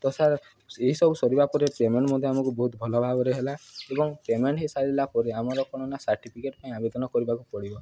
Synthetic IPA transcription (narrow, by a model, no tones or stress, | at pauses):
t̪ɔsaɾ | eɦisɔbusɔɾibapɔɾepemeɳʈmɔd̪ʱjeamɔkubɔɦut̪̚bʱɔlɔbʱabɔɾeɦelaebɔŋpemeɳʈɦesaɭilapɔɾeamɔɾɔkɔɽ̃ɔnasaɾʈipʰikeʈpaĩabed̪ɔnɔkɔɾibakupɔɽibɔ